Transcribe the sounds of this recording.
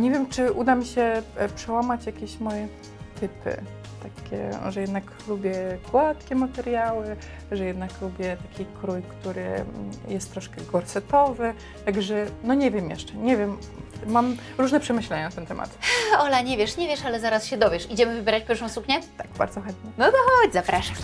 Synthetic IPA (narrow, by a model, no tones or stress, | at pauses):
ɲɛvʲjɛmt͡ʂɘʔud̪amʲiɕɛpʂɛwamat͡ɕjakʲeɕmɔjɛ | t̪ɘpɘ̰ | t̪akʲɛ̰ʐɛjɛd̪nak | lubʲjɛɡwat̪kʲɛmat̪ɛɾjawɘ | ʐɛjɛd̪naklubʲjɛt̪akʲikɾujkt̪uɾɘ̰jɛst̪ːɾɔʂkɛɡɔɾsɛt̪ɔvɘ | t̪aɡʐɛnɔɲɛvʲjɛmjɛ̰ʂt͡ʂɛɲɛvʲjɛmː | am | ɾuʐnɛpʂɛmɘɕlɛɲanat̪ɛnt̪ɛmʔa̰t̪ɔlaɲɛvʲjɛʂɲevʲjɛʂalɛzaɾasɕɛd̪ɔvʲjɛʂid͡ʑɛmɘvɘbʲɛɾat͡ɕpjɛɾfʂ̬ɔ̃w̃sukɲɛt̪aɡ̥ba̰ɾd̪zɔxɛnt̪ɲɛnɔt̪ɔxɔd͡ʑzapɾaʂa